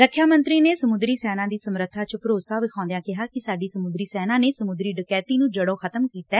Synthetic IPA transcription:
ɾəkʰːjaːmənt̪ɾiːneːsəmʊd̪ɾiːsɛːnãːd̪iːsəmɾət̪ʰːaːt͡ʃəpɾoːsaːʋɪkʰãːnd̪ejãːkɪɦaːkɪsaːɖiːsəmʊd̪ɾiːsɛːnãːneːsəmʊd̪ɾiːɖɪkɛːt̪iːnũːd͡ʒəɽoːkʰət̪əmkiːt̪ɛː

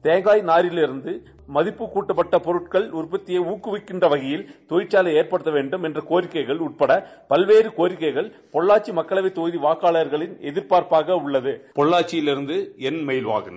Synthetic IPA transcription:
t̪eːŋɡaːjnaːɾɪlɪɾɯnd̪ɯ | mɐðɪpːɯkuːʈːɐpːɐʈːɐpɔɾɯʈkɐɭʊɾpɐt̪ːɪjɐuːkːɯʋɪkːɪndrɐʋɐɣɐjɪlt̪ɔjɪʈt͡ʃːaːlɐeːɾpɐɽɯt̪ːɐʋeːɳɖɯmɛndrɐkoːɾɪkːɐɪɣɐɭʊʈ̚pɐɽɐpɐlʋeːɾɯkoːɾɪkːɐɪɣɐɭ | pɔɭːaːʈt͡ʃːimɐkːɐɭɐʋɐɪt̪ːoːðiʋaːkaːɭɐɐɾɣɐɭɪnɛðɪɾpaːɾpaːɣɐʊɭːɐðɯpɔɭːaːʈt͡ʃːɪjɪlɪɾɯnd̪ɯɛnmɛjlʋa̰ːɣɯn

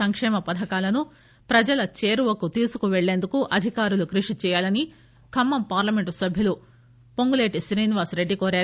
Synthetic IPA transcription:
ɐŋkʂɛːmɐpɐd̪ʱɐkaːlɐnu | pɾɐd͡ʒɐlɐt͡ʃeːɾuʋɐkut̪iːsukuʋeɭːeːnd̪ukuʔɐd̪ʱikaːɾulukɾiʂit͡ʃɛːjaːlɐni | kʰɐmːɐmpaːɾlɐme̞ɳʈsɐbʱjulu | poŋɡule̞ːʈiʃɾiːniʋaːsɾe̞ɖːikoːɾaː

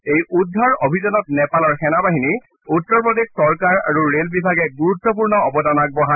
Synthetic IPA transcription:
ejudʱːɔɹobʱizɔnɔt̚nɛpalɔɹxɛnabaɦini | utːɔɹpɹɔdexsɔɹkaɹa̰ɹuɹelbibʱaɡɛɡuɹutːɔp̬uɹnɔɔbɔdanak̚bɔɦa

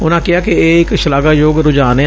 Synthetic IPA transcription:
ʊnãːkɪaːkeeːɪkʃɪlaːɡaːjoːɡɾʊd͡ʒaːne

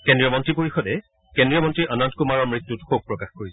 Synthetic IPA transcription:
kɛndɹijɔmɔntɹipoɹixɔdɛ | kɛndɹiɔmɔntɹiʔanɔntkumaɹɔɹmɹitːutxoɡ̚pɹɔkaxkoɹisɛ

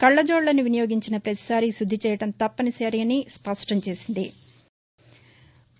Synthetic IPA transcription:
kɐɭːɐd͡ʒoːɽlɐnuʋinijoːɡiɲt͡ʃinɐpɾɐt̪i̥saːɾisud̪ʱːit͡ʃɛːjɐʈɐmt̪ɐpːɐnisɐːɾiɐnispɐʂʈɐmt͡ʃe̞ːsind̪i

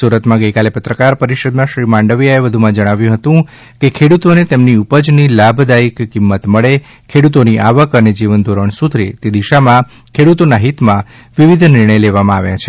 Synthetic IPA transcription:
suɾət̪mãɡəjkalepət̪ɾəkaɾpəɾiʃəd̪mãʃɾimãɳɖəʋijaeʋəd̪ʱumãd͡ʒəɽ̃aʋjũɦət̪ũ | kekʰeɽut̪onet̪emniupəd͡ʒnilabʱd̪aikːimːət̪məɭe | kʰeɽut̪oniʔaʋəkəned͡ʒiʋənd̪ʱoɾəɳsut̪ʰɾḭt̪ed̪iʃamã | kʰeɽut̪onaɦit̪mã | ʋiʋid̪ʱnɪɾɳəjleʋamãaʋjã̰t͡ʃʰe̥

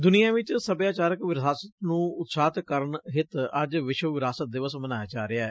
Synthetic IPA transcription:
d̪ʊnijãːʋɪt͡ʃsəbjaːt͡ʃaːɾəkʋɪɾaːsət̪nũːʊt̪saːt̪kəɾəɳɦɪt̪əd͡ʒʋɪʃwəʋɪɾaːsət̪̚d̪ɪʋəsmənaːjaːd͡ʒaːɾeaɛ

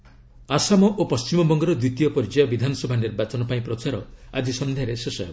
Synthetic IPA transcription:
asamɔʔopɔst͡ʃimɔbɔŋɡɔɾɔd̪wit̪ijɔpɔɾid͡ʒajɔbid̪ʱanɔsɔbʱanɖeɾbat͡ʃɔnɔpaĩpɾɔt͡ʃaɾɔa̰d͡ʒisɔnd̪ʱejaɾesesɔj

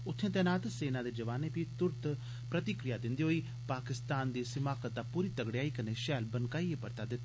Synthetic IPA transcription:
ʊt̪ʰːẽːt̪ɛːnaːt̪seːnãːd̪eːd͡ʒəʋaːneːpiːt̪ʊɾt̪ | pɾət̪ɪkɾɪjaːd̪ɪ̃nd̪iːɦoːiː | paːkɪst̪aːnd̪eːsɪmaːkət̪̚d̪aːpuːɾiːt̪əɡɽejaːiːkəneːʃɛːlbənkaːiːepəɾt̪aːd̪ɪt̪ː

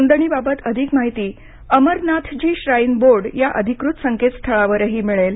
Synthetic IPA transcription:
ənd̪əɳ̃iːbabət̪əd̪ʱikmaɦit̪iː | əməɾnat̪ʰd͡ʑiːɕɾainboɾɖjaʔəd̪ʱikɾut̪səŋket̪st̪ʰəɭaʋəɾəɦiːmiɭel

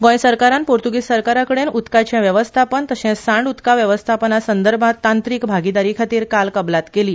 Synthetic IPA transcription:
ɡõjsəɾkaɾanpoɾt̪uɡisəɾkaɾakəɽenut̪kat͡ɕãʋjəʋəst̪ʰapənt̪əɕɛ̃sãɳɖut̪kaʋjəʋəst̪ʰapənasənd̪əɾbʱat̪ːant̪ɾiːkbʱaɡid̪aɾiːkʰat̪iːɾkalkəblat̪keliː

